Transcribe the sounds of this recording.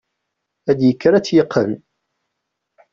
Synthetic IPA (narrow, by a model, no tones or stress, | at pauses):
æd̪jəkːɾæt͡sːjəqʰːə̰n